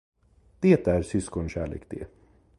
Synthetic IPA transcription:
d̪̥eːt̪æɾsʏskɔnɕæːɭḛːkd̪ḛ

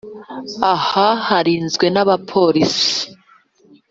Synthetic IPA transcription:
ahahaɾiːnzɡwe̞naβapʰo̞ɾisi̥

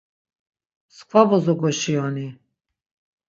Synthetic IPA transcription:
skʰvavɔzɔɡɔʃiɔni

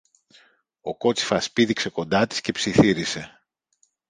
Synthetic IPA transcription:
o̞ko̞t͡ssi̥fɐspiðikse̞ko̞nd̪ɐt̪i̥sce̞psiθiɾise̞

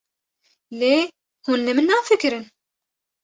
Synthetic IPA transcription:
le | hunləmənːafəkɾən

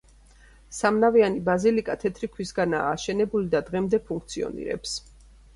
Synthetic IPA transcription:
samnavianibazilikʼat̪ʰɛt̪ʰɾikʰwisɡana̰ːʃɛnɛbulid̪ad̪ʁɛmd̪ɛpʰũŋkʰt̪sʰiɔ̰nḭɾɛ̰ps

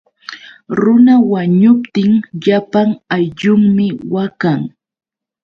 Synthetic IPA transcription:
ɾʊnawaɲʊpt̪ɪŋʎapaŋajʎʊŋmɪwakaŋ

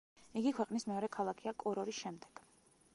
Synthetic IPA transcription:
iɡikʰwɛqʼnismɛɔɾɛkʰalˠakʰiakʼɔɾɔɾisʃɛmd̪ɛɡ̥

